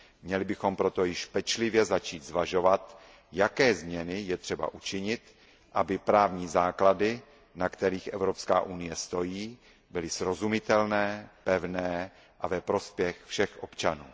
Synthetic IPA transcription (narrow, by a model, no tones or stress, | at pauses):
mɲɛlɪbɪxo̞mpɾo̞t̪o̞jɪʃpɛt͡ʃlɪvjɛzat͡ʃiːt̪zvaʒo̞vat̪ | jakɛːzmɲɛnɪjɛt̪r̝̥ɛba̰ʔut͡ʃɪɲɪt̪ | ʔabɪpɾaːvɲiːzaːkladɪ | nakt̪ɛɾiːxʔɛvɾo̞pska̰ːʔunɪjɛst̪o̞jiː | bɪlɪsɾo̞zumɪt̪ɛlnɛːpɛvnɛː | ʔavɛpɾo̞spjɛxfʃɛxʔo̞pt͡ʃanṵː